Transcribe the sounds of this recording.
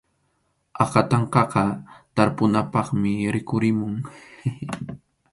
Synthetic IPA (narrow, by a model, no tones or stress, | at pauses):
ɑqɑt̪ɑɴqɑqɑt̪aɾpʊnapɑχmɪɾɪkʊɾɪmʊŋ